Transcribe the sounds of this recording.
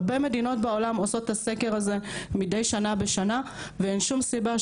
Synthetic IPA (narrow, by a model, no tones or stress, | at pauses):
beme̞dino̞tbeo̞lamoso̞tːase̞ke̞ʁaze̞mide̞jʃanabeʃana | veenʃumsiba